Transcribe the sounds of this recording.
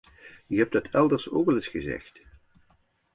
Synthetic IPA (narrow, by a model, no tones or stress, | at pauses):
yɦɛp̚dɑtʰɛlˠdəɹso̰ːkɛlɪsχəzɛ̰xt